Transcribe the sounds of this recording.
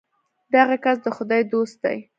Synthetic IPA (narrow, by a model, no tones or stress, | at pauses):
d̪aɣakasd̪əxʊd̪ɑjd̪ost̪̚d̪a̰j